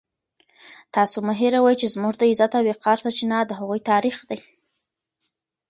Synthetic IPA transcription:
t̪ɑsomʊɦiɾawɑjt͡ʃezmuʒd̪əɪzat̪aweqʰɑɾt̪at͡ʃinɑd̪əɦaɣujt̪ɑɾixd̪aj

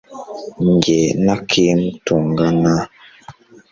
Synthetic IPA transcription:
ŋɡɛnakʰemtuŋɡana

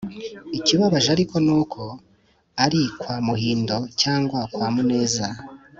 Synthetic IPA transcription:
iciβaβaʒaɾiko̞nuːkʰo̞ | aɾikwaːmuhiːndo̞caːŋɡwakwaːmune̞ːza

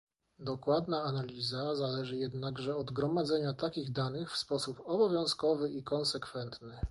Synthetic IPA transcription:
d̪ɔkwad̪naːnalʲizazalɛʐɘjɛd̪naɡʐɛɔd̪ɡɾɔmad̪zɛɲat̪akʲiɣd̪anɘxfspɔsupɔbɔvʲjɔ̃w̃skɔvɘikɔnsɛkfɛnt̪nɘ

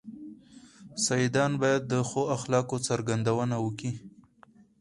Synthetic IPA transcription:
sajid̪ɑnbɑjad̪ːəxoaxlɑkot͡saɾɡand̪awənawəki

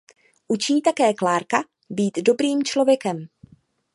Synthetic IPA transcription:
ʔut͡ʃiːt̪akɛːklaːɾka | biːt̪do̞bɾiːmt͡ʃlo̞vjɛkɛm

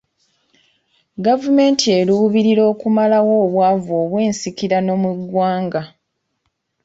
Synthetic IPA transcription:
ɡavume̞ːntʰie̞luwuβiɾiɾo̞ːkumalawo̞ːβwaːvoːβweːnsikiɾano̞muɡwaːŋɡa

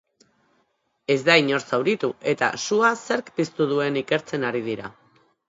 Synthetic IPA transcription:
e̞zd̪aiɲo̞ɾsawɾit̪uʔe̞t̪a̰suase̞ɾkpist̪uð̞ue̞nike̞ɾt͡se̞naɾið̞iɾa

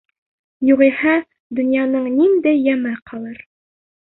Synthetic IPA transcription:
juʁihæ | d̪ɵ̆njɑnɤɴnind̪æjːæmɘqɑlˠɤɾ

